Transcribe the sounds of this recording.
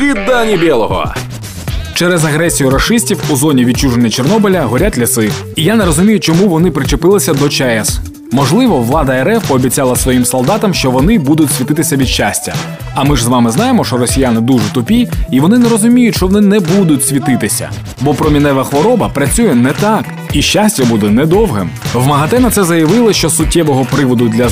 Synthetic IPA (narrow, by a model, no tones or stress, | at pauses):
ʋʲid̪ːanʲibʲɛlˠɔɦɔ̰ | t͡ʃɛɾɛzɐɣɾɛsʲijʊɾɐʃɪsʲtʲiwuzɔnʲiʋʲid̪̚t͡ʃuʒenʲːɐt͡ʃernɔbɪlʲɐɦɔɾʲatʲlʲisɪ | ijaneɾɔzʊmʲijʊt͡ʃɔmuʋɔnɪpɾɪt͡ʃepɪlˠɪsʲɐd̪ɔt͡ʃɛɛs | mɔʒlˠɪʋɔʋlˠɑd̪ɐeɾɛfːbʲit͡sʲɑlˠɐsʋɔjimsɔlˠd̪ɑt̪ɐmʃt͡ʃɔʋɔn̪ɪbud̪ʊtʲsʲʋʲit̪ɪt̪ɪsʲɐʋʲid̪ʃt͡ʃasʲtʲːɐ̰ | ɐmɪʒzʋɑmɪznɑjemɔʃt͡ʃɔɾɔsʲijanɪd̪uʒɛt̪ʊpʲiiʋɔnɪnɛɾɔzʊmʲijʊtʲʃt͡ʃɔʋɔnɪnɛbud̪ʊtʲsʲʋʲit̪ɪt̪ɪsʲɐ̰ | bɔpɾɔmʲinɛʋɐxʋɔɾɔbɐpɾɐt͡sʲujɛnɛt̪ɑk | iʃt͡ʃasʲtʲɐbud̪ɛnɛd̪ɔwɦɪmʋmɐɦɐt̪ɛnɐt̪sɛzɐjɐʋɪlˠɪʃt͡ʃɔsʊtʲːɛʋɔɦɔpɾɪʋɔd̪ʊd̪lʲɐ